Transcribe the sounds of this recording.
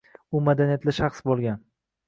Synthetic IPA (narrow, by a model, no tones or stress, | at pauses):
ʊmad̪anijat̪ʰlaʃaχsbolˠɡʲan